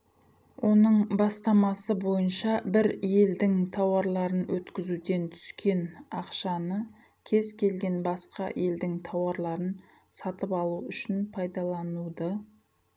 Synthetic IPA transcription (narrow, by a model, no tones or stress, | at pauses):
wʔo̞nəɴbɑst̪ɑmɑsəbo̞jənʃɑbɪɾje̞ld̪ɪŋt̪ʰɑwɑɾlˠɑɾənwɵt̪kʲɪzud̪e̞nt̪ʰʏ̥skʲe̞nɑqʃɑnə | kʲʰe̞zkʲʰe̞lɡʲe̞nbɑsqɑje̞ld̪ɪŋt̪ʰɑwɑɾlˠɑɾən | sɑt̪əpɑlˠuʏʃɪnpʰɑjd̪ɑlˠɑnud̪ɑ